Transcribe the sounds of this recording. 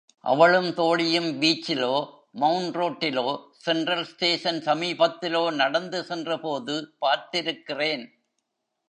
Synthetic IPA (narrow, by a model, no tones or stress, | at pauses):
ʔɐ̰ʋɐɭɯmt̪oːɽɪjɯmʋiːt͡ʃːɪloː | mɐʊɳɖroːʈːɪloːsɛnɖɾɐlsʈeːʂɐnsɐmiːbɐt̪ːɪloːnɐɽɐnd̪ɯsɛndrɐpoːðɯpaːɾt̪ɪɾɯkːɪreːn